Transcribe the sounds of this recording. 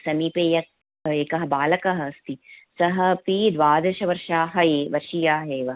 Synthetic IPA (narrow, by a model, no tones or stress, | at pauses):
sɐmipeːjɐk̚ | eːkɐɦɐ̆baːlɐkɐɦɐst̪isɐɦɐpiːd̪ʋaːd̪ɐʃɐʋɐɾʃaːɦɐeːʋɐɾʃijaːɦeːʋɐ